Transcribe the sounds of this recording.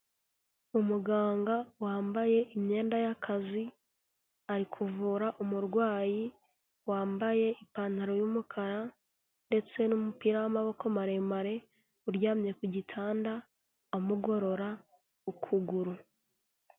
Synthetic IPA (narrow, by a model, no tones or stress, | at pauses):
umuɡaːŋɡawaːmbaje̞ʔimɲe̞ːndajakʰazi | aɾikʰuvuːɾaʔumuɾɡwaːji | waːmbaje̞ipaːn̥aɾo̞jumukʰaɾa | nde̞t͡se̞numupiɾawamaβo̞komaɾe̞maɾe̞ | uɾjaːmɲe̞kuɟitʰaːnda | omuɡo̞ɾo̞ɾa | ukʰuɡuɾu